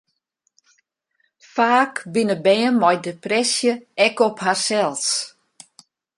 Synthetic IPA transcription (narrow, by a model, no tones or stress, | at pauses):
faːkbɪnəbɛːəmɔjdeprɛsjəɛkɔpharsɛlˠs